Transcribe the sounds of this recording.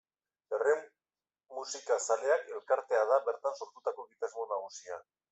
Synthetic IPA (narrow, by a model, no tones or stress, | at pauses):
ere | musikasale̞ake̞lkaɾt̪e̞að̞aβe̞ɾt̪anso̞ɾt̪ut̪ako̞ɣit̪azmonaɣ̞usia